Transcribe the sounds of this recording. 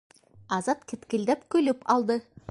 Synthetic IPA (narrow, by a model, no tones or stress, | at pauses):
ɑzɑt̪kʲʰet̪kʲɪld̪epkʲʰɵlɪpɑlˠd̪ə